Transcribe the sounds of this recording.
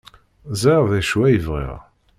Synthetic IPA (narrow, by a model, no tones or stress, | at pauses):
zæʁðæʃwæjəvʁḭʁ